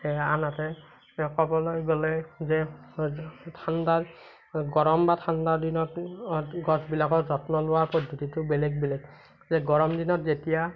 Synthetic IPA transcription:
ɛanatɛ | kɔbɔlɔjɡɔlɛzɛ | tʰandaɹ | ɡɔɹɔmbatʰandaɹdinɔtɡɔsbilakɔɹzɔtnɔlʊwaɹpɔd̪ʱotitʊbɛlɛɡ̚bɛlɛɡ | zɛɡɔɹɔmdinɔtzetija

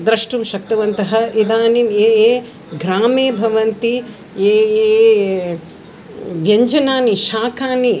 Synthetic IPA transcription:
d̪ɾɐʂʈumʃɐk̚t̪ɐʋɐnt̪ɐɦɐid̪aːnineːeː | ɡɾaːmeːbʱɐʋɐnt̪i | eːe | ʋeɲd͡ʒɐnaːniʃaːkaːni

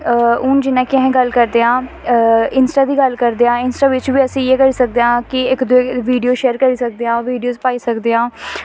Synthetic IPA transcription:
ʊnd͡ʒɪnãːkɪə̃ɦẽːɡəlkəɾd̪eːãː | ɪnsʈaːd̪iːɡəlkəɾd̪eːãːɪnsʈaːʋɪt͡ʃbiːəsĩːeːkəɾiːsək̚d̪eːãːkɪɪkd̪ʊeːʋiːɖijoːʃɛːɾkəɾiːsək̚d̪eːãːʋiːɖioːzpaːiːsəkd̪eːãː

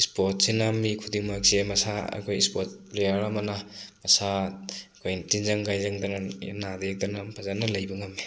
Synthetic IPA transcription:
spot̚senamikʰudiŋmak̚semɐsaɐ̰kʰojspot̚plejaɾamanamɐsakʰojntinzaŋɡajzaŋdana̰nadek̚dɐnapʰazanɐlɐjbɯŋami

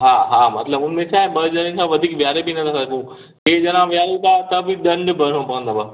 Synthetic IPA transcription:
ɦãːɦãːmɐ̰t̪ləbʊnmẽt͡ʃʰaːɦebɐd͡ʒanẽt͡ʃʰaʋɐd̪ʱiːkʋjaːɾebinɐt̪asakũ | keːd͡ʒɐnãʋjaːɾokat̪ɐbid̪ɐ̃ɳɖbɐɽ̃õpɐkə̃nd̪abɐ

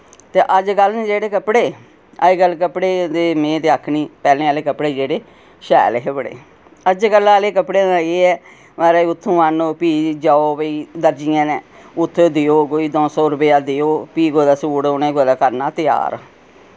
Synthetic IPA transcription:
t̪eːʔəd͡ʒɡəlnẽːd͡ʒeːɽeːkəpɽeː | ə̰eːɡəlkəpɽeːd̪eːmẽːt̪eːakʰniːpɛːlẽːəːleːkəpɽeːd͡ʒeːɽeː | ʃɛ̰ːleɦəbəɽḛː | əd͡ʒkəlaːleːkəpɽeːnːeːɛː | əɾeːʊt̪ʰːũːanoːpiːd͡ʒaːoːʋəiːd̪əɾd͡ʒɪjãːneːʊt̪ʰːoːd̪ɪoːkoːiːd̪ɔ̃ːsɔːɾəpɪjaːd̪eoːpiːɡoːd̪aːsuːɽonẽːɡoːd̪aːkəɾnaːt̪ɪja̰ːɾ

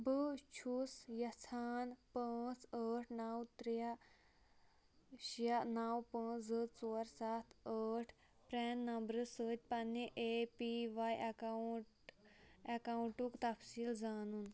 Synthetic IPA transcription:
bət͡ʃʰusjɐt͡sʰaːnpə̃t͡səʈʰnawt̪ɾja | ɕanawpə̃d͡zət͡soɾsat̪ʰəʈʰ | pɾɛnːɐmbɾəsəːt̪̚ʲpɐnːiʔepiʋajka | ekawɳʈukt̪ɐfsiːld͡zanuːn

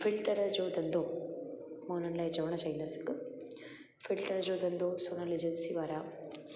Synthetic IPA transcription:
fʰilʈɐɾɐd͡ʒoːd̪ɐnd̪oː | moːnɐnlaed͡ʒɐʋɐɳɐt͡ʃajnd̪ɐsɨk | filʈɐɾɐd͡ʒoːd̪ɐnd̪oːsoːnɐlid͡ʒɐnsiːʋaːɾa

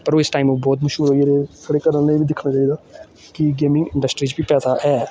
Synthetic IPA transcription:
pɐɾʋoːɪsʈaːɪmobɔːt̪mɐʃuːlɦoːjeɾekʰəɽekəɾənneibʱid̪ɪkʰnat͡ʃaːɦid̪aː | kiɡeːmɪ̃ŋɡɪ̃ɳɖəsʈɾid͡ʒbʱipɛːsaɦɛː

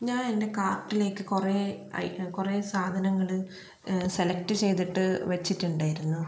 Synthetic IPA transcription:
ɲaːnende̞kaːrʈːile̞ːkːɨkure | ɐ̰kure̞saːd̪ʱɐnɐŋːɐɭ | se̞lɐkʈɨt͡ɕe̞jt̪iʈːɨʋɐt͡ɕːitːuɳɖaːjiɾunːu

